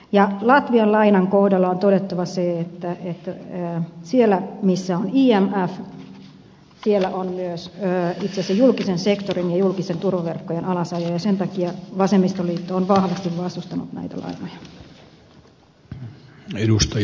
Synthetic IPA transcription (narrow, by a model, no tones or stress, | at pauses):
jɑlɑt̪ʋiɑllɑinɑŋkohdɑlːɑont̪odet̪ːɑʋɑseet̪ːæet̪ː | sielːæmisːæoniːæmæf | sielːæʔonmyøsøːit̪seɑsejjulkisensekt̪orinjɑjulkisent̪urʋɑʋerkːojenɑlɑsɑjojɑsent̪ɑkiɑʋɑsemːist̪oliːt̪ːoːnʋɑhʋɑst̪iʋʋɑst̪ust̪ɑnṵt̪næ̰it̪æ̰lʔɑ̰inojɑ | edust̪ɑ